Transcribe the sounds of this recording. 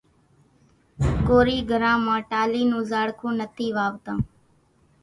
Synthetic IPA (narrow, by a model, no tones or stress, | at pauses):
koːɾiːɡʱəɾãːmãːʈaːliːnũːzaːɽkʰũːnət̪ʰiːʋaːʋt̪ãː